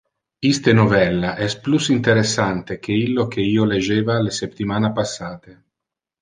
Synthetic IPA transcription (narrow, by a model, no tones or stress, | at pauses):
ist̪enovɛlːaʔɛsplusint̪eɾesːant̪ek̟eilːok̟eiːoled͡ʒːeːvalesept̪ːimaːnapasːaːt̪e